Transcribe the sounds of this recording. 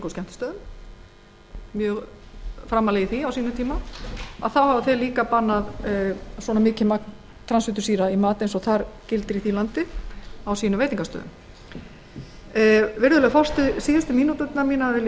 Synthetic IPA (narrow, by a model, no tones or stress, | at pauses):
koskcɛm̥t̪ɪ̥st̪œːðʏm | mjœːɣfɾamːalɛːjɪθiawsiːnʏt̪ʰiːmaa̰ðθawhavʏθejliːkapanːaðswɔnamɪːcɪmakn | t̪ʰɾansʏt̪ʏsiːɾaimaːt̪ɪensɔθaɾcɪlt̪ɪɾiθilant̪ɪawsiːnʏmvejt̪iŋkast̪œ̰ːðʏ̰m | vɪɾðʏlɛɣfɔ̥st̪ɪsiːðast̪ɪmiːnut̪ʏt̪namiːnavɪl